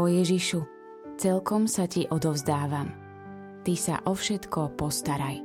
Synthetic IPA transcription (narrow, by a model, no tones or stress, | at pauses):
ɔjɛʒiʃu | t͡sɛlkɔmsaciʔɔd̪ɔʊzd̪aːʋam | t̪isa̰ʔɔfʃɛt̪kɔpɔst̪aɾaj